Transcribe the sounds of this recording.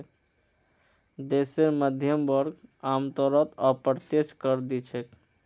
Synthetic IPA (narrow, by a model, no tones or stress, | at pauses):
d̪eseɾməd̪ʱjəmbɔɾɡamt̪ɔɾət̪əpəɾt̪et͡ʃkəɾd̪it͡ʃʰek